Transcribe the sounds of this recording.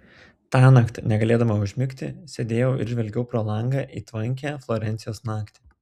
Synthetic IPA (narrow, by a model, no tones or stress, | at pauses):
t̪ɑːnɑkt̪ʲnʲɛɡɐlʲeːd̪ɐmɐʊʒʲmʲɪkʲt̪ʲɪ̰sʲɛd̪ʲeːjɛʊʔɪ̰ɾʒʲʋʲɛlʲɡʲɛʊpɾoːlˠɐŋɡɑːʔiːt̪ʋɐŋʲkʲæːflˠoːɾʲɛnʲɪjoːsnɑːkt̪ʲɪː